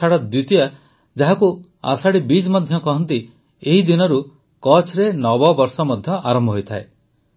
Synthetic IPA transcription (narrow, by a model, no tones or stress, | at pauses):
aɽɔd̪wit̪ia | d͡ʒaɦaku | a̰saɽibid͡ʒmɔd̪ʱjɔkɔɦɔnt̪i | eɦid̪inɔɾu | kɔt͡ʃʰɾenɔbɔbɔɾsɔmɔd̪ʱjɔʔaɾɔmbʱɦojt̪ʰae